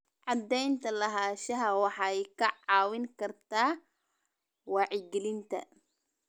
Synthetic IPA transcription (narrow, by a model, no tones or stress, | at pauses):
ʕɑd̪ɛjnt̪ʰɐlɐɦaːʃɐɦɐwɑħɑjkʰɐʕɑːwɪŋkʰɐrt̪ʰaː | wɑːʕɪɡɛlɪnt̪ʰɐ̰